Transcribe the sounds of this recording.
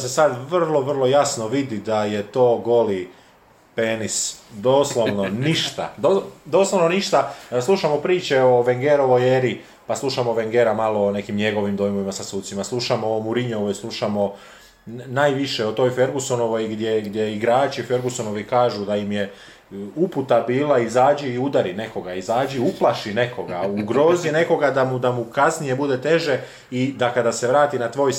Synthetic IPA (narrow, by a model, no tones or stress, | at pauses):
se̞sad̪ʋrlˠo̞ʋr̩lˠo̞jasno̞ʋid̪id̪aje̞t̪o̞ːɡo̞li | peːnisd̪o̞ːslˠoʋno̞niʃt̪a̰d̪od̪o̞slˠoʋnoniʃt̪aslˠuʃamo̞pɾiːt͡ɕe̞oʋeŋɡeɾoʋojeɾi | paslˠuʃamoʋeŋɡeɾamaloːne̞kimɲe̞ɡo̞ʋimd̪ojmoʋimasasuːt̪simaslˠuʃamoːmuɾiɲoʋojislˠuʃamo̞ | najʋiʃeot̪o̞ːjfe̞ɾɡusono̞ʋo̞jɡd̪jeɡd̪jeiɡɾaːt͡ʃife̞ɾɡusono̞ʋikaːʒud̪aimje̞ | uput̪abiːlˠaizaːd͡ʒiːud̪aɾine̞ko̞ɡaizaːd͡ʒiuplˠaʃine̞ko̞ɡauɡɾo̞zine̞ko̞ɡad̪amud̪amukasnije̞bud̪e̞t̪e̞ʒe̞ | id̪akad̪ase̞ʋɾaːt̪inat̪ʋo̞ːj